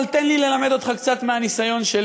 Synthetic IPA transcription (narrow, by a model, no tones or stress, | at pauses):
lt̪enlile̞lame̞d̪o̞t̪χakt͡sat̪meanisajo̞nʃel